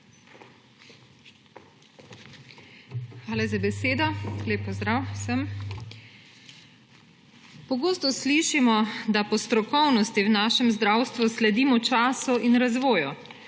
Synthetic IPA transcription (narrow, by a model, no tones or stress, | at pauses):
xʋaːlɛzabɛseːd̪ɔleːpːɔzd̪ɾawsəm | pɔɡoːst̪ɔsliʃimɔd̪apɔst̪ɾɔkɔwnɔst̪iwnaːʃɛmzd̪ɾawst̪ʋuslɛd̪iːmɔt͡ʃaːsuʔinɾazʋoːju